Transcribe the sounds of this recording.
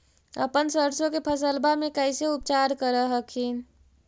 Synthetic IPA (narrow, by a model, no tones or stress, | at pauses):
ə̰pənsəɾsõkepʰəsəlbamẽkəɪseʊp̚t͡ʃaːɾkəɾəɦəkʰin